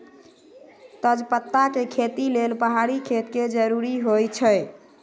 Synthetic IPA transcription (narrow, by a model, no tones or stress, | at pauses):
t̪əd͡ʒpət̪ːakekʰet̪ilelpəɦaɽikʰet̪ked͡ʒəɾuɾiɦojt͡ʃʰəj